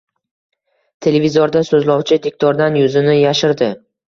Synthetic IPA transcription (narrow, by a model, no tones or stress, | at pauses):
t̪ʰe̞le̞vʲizoɾd̪asɵzlɒwt͡ʃʰɪd̪ek̚ʲt̪ʰɒɾd̪anjʊzɪnɪjaʃɪɾd̪ɪ